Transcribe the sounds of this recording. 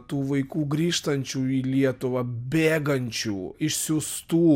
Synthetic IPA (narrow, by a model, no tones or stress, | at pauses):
t̪uːʋɐɪkuːɡɾʲiːʃt̪ɐnʲt͡ʃʲuːiːlʲiɛt̪ʊʋɐbʲeːɡɐnʲt͡ʃʲuːɪʃsʲʊst̪uː